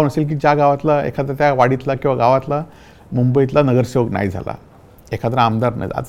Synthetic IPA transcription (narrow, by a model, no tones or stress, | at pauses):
nəselk̬iːd͡ʑjaɡaʋat̪laḛkʰat̪əɾət̪jaʋaɽit̪lakĩw̃ʋaɡaʋat̪la | mumbəit̪lanəɡəɾseʋəkna̰jd͡zʱa̰la̰ | ekʰat̪əɾəamd̪aɾna̰jd͡za̰